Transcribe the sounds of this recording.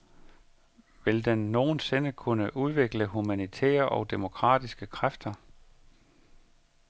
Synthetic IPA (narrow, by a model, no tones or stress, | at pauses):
ʋeld̥enːo̝ːn̩se̝nəkʰunəʔuð̞ˠʋe̝ɡ̥ləɦumænit͡sʰɛ̰ːɐʔɒ̽ʊd̥e̝mo̝kʰʁɑ̰̈ːd̥isɡ̥əkʰʁafd̥ɐ